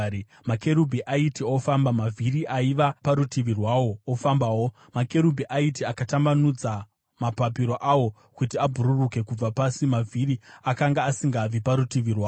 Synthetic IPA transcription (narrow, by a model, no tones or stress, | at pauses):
make̞ɾubʱiʔaitio̞fambamavʱiɾiʔaiʋapaɾutiʋirwaːwo̞ofambawo | make̞ɾubʱiʔaitiakatambanud͡za | mapapiɾo̞ʔawo̞ | kutiabʱuɾuruke̞kub͡vapasimavʱiɾiakaŋɡaːsiŋɡaːb͡vipaɾutiʋirwaː